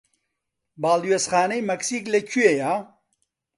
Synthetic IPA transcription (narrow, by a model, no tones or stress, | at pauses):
baːluwesxaːnɐjmɐksiːklɐt͡ʃʰueja